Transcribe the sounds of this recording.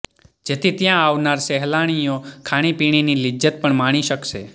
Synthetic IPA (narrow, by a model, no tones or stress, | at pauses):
d͡ʒet̪ʰit̪jãaʋnaɾsɛɦlaɽ̃ijokʰaɽ̃ipiɽ̃inilid͡ʒət̪̚pəɳmaɽ̃iʃəkʃe